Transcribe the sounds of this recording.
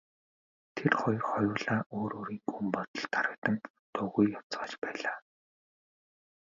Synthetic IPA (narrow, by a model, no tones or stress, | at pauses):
t̪ʰerχɔjɞ̆rχɔjʊːɮaːʔoːɾoːɾiːŋɡumpɔt̪ɞ̆ɮt̪aɾə̆kt̪ə̆ŋ | t̪ʰʊɣujːɔt͡sʁaːt͡ɕpæːɮaː